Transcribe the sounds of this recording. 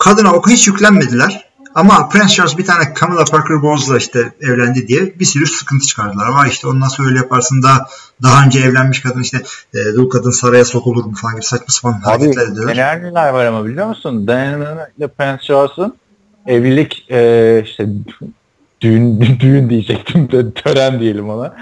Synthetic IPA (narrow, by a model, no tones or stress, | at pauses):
kʰad̪ɯnaokuhit͡ʃjycʲlʲænme̞d̪ilʲæɾ̥ | amapʰɾɛnsʃaɾs̬bit̪ʰaːnɛkʰamɯlˠapʰaɾkʰɯɾbo̞zlˠaiʃt̪ʰɛɛvlʲænd̪id̪ijɛbisyɾyɾsɯ̥kɯnt̪ʰɯ̥t͡ʃʰɯ̥kʰaɾd̪ɯlˠaɾvaɾiʃt̪ʰɛo̞nd̪ansoɾølʲɛjapʰaɾsɯnd̪a | d̪aɦaø̞nd͡ʒɛːvlʲænmiʃkʰad̪ɯniʃt̪ʰɛːd̪ulˠkʰad̪ɯnsaɾajaso̞kolˠuɾmufalˠanɟibisat͡ʃmasɯfalˠanɦaɾecʰɛt̪lʲæɾed̪ilˠnæɾnʲilʲæɾvaɾamabilʲijo̞ɾmusund̪aɛnnɯnalʲɛpɾɛnsʃaɾsɯn | evilʲicɛːiʃt̪ʰɛ | d̪̥ynd̪yjynd̪ijid͡ʒɛc̚t̪ʰimd̪ɛt̪ʰøɾænd̪ijelʲimona